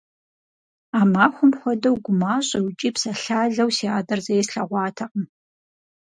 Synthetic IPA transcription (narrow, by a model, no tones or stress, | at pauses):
aːmaːxʷʊmxʷɔdɐwɡʷʊmaːɕʼɐwt͡ʃʼiːpsɐɬaːɮɐwsiaːdɐrzɐjɛsɬɐʁʷɑːtʰɐqəm